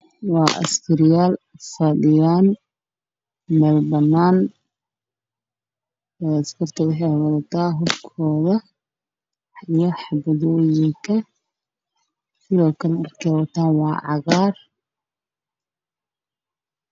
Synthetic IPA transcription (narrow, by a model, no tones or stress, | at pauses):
wɑːʔɐ̰skʰɐɾɪjaːlfɐdɪjaːn | mɛlbɐnːaːn | ɛːɐskɐrt̪ʰɐwɪħɛwɐðɐt̪ʰaːɦʊbkʰɔːðɐ | ijɔħɑbɐðɔːjɪŋkʰɐ | sɪðɔːkʰɐlɐrkʰɛwɐt̪ʰaːnwɑːʕɑ̰ɣaːr